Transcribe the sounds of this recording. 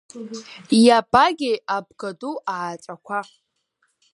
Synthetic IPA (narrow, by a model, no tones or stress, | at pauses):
jabʼaɡʲɪab̚ɡaduʔaːt͡ʃʼakʷʰa